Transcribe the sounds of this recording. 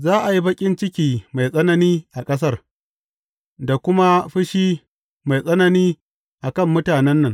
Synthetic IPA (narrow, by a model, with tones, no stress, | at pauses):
zaː˦ʔa˨ji˦bɐ˦kʲʼɪ˦nt͡ʃɪ˦kʲiː˨ma˨jsʼɐ˦nɐ˦niː˦ʔa˨kʼɐ˦s̬ɐ˦r | da˨kʷʊ˦ma˦ɸɪ˦ʃiː˦ | ma˨jsʼɐ˦nɐ˨niː˦ | ʔa˨kɐ˦˨mːʊ˦taː˨nɛ˦nːɐ˨ŋ